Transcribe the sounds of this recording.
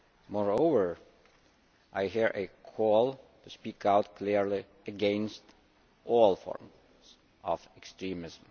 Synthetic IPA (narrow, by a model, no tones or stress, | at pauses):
mɔɹoʊvə˞ | ʔaɪɦiɹʔɨkʰɔlˠtʰuspikaʊtkʰliɹli | ɨɡɛ̃nst | ʔɔlˠfɔ̰ɹm | z̥ | ʌvɛkstɹĩmɪzm̩